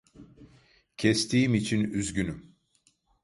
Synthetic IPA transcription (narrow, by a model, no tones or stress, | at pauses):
cʰɛst̪ʰiːimit͡ʃʰinyzɟynym